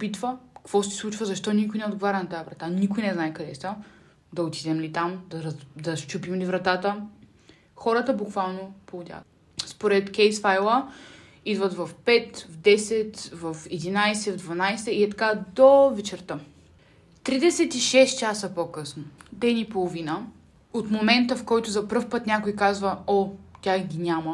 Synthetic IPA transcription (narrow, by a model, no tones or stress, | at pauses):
opit̪vəkkv̥ɔsislˠut͡ʃvəzɐʃt̪ɔnikʊjnɛod̪ɡovaɾʲɐnɐt̪ajvɾɐt̪anikojnɛznaɛkɐd̪ɛsa | d̪ɐot̪id̪ɛmlit̪amd̪ɐɾd̪ɐst͡ʃupimlivɾɐt̪at̪ə | xɔɾət̪əbukvalˠnopolˠʊd̪ʲa̰ | spoɾɛt̪kʲɛjsfajlˠə | id̪vət̪vɐfpɛt̪vd̪ɛsɛt̪vɐfɛd̪inajsɛvd̪vɐnajsɛiɛt̪ɐ̥kad̪ovɛt͡ʃɛɾt̪ə | t̪ɾid̪ɛsɛt̪iʃɛst̪̚t͡ʃasəpokɤsnod̪ɛnipolˠovinə | ot̪momɛnt̪əfkɔjt̪ʊzɐpɤɾfpɤt̪nʲakʊjkazvəɔt̪ʲaɡʲinʲamə